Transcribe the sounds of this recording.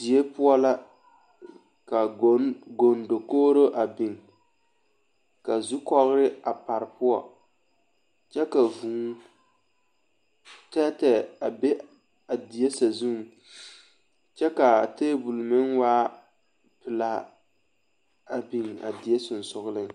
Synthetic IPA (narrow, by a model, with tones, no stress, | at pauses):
di˨e˦pʊ˦ɔ˦la˦ | ka˨ɡo˨ndo˨koː˦ɾo˦ʔa˨bɪ˨ŋ | ka˨zu˦kɔ˦ɣʊ˦ɾɪ˦a˨pa˨ɾɪ˨pʊ˦ɔ̰˦˨ | t͡ʃɛ˦ka˨vuː˨˦ | tɛ˦tɛ˨a˨be˦ | a˨di˨je˦sa˨zu˦ŋ˨ | t͡ʃɛ˦ka˨teː˦bu˨lmɪ˦ŋwaː˦ | pɪ˨la˦ | a˨bi˨ŋa̰˨di˨je˦sʊ˨n˨sʊ˨ɣʊ˦lɨ˦ŋ